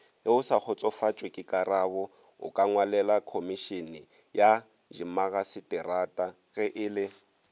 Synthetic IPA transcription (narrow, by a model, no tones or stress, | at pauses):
ɪʊsak͡xʰʊt͡sʼɔfat͡ʃʼwekʼɪkʼaraβɔ | ʊ̰kʼaŋwalɛlakʰomiʃinɪ | ja | d͡ʒimaɣasɪtʼɛratʼa | ɣɛʔɪːlɪ